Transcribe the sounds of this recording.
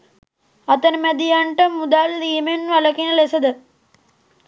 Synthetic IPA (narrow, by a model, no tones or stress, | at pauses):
ɐt̪ənəmæd̪ijaɳʈəmːud̪aːlɾiːmenʋalɐkinəlesəd̪ə